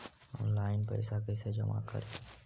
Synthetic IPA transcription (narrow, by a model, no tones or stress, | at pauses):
ɔːnlaːɪnpə̰ɪsakəsed͡ʒəma̰kə̰ɾe